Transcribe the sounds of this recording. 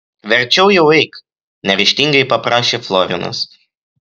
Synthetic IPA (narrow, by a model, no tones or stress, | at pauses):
ʋʲɛɾʲt͡ʃʲɛʊjɛʊɛɪk | nʲɛʋʲɪʃʲt̪ʲiŋɡɐɪpɐpɾɑːʃʲeːflˠɔɾʲɪ̰nɐ̰s